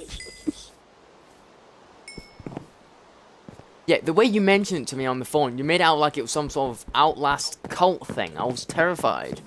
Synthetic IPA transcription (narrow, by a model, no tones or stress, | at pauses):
jɛʔðəweɪjəmɛ̃nʃə̃ntʰəmiə̃nðəfõnjəmeɾaʊʔlaɪkɪʔ̚wɒz̥sʌ̃msɔɹtəvʔaʊʔlˠaskʰʌlˠʔθɪ̰̃ŋa̰ɪwɒz̥tʰɛɹɪfa̰ɪd̥